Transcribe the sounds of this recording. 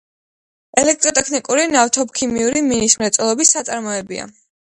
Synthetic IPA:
ɛlɛk̚ʰt̪ʼɾɔt̪ʼɛkʰnikʼuɾinavt̪ʰɔpkʰimiuɾiminismɾɛt̪sʼɔlˠɔbisːat̪sʼaɾmɔɛbḭa̰

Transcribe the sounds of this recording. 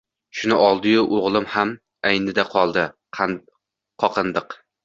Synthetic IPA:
ʃʊnɪʔɒlˠd̪ɪjʊʔoʁlˠɪmham | ajnɪd̪aqʰɒlˠd̪ɪ | qʰɒqʰɨnd̪ɨq

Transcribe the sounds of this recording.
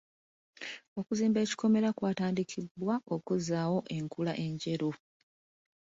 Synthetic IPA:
o̞kuziːmbe̞ːci̥ko̞me̞ɾakwaːtaːndikʰibːwao̞kuzaːwo̞ʔe̞ŋkulaʔe̞ɲɟe̞ɾu

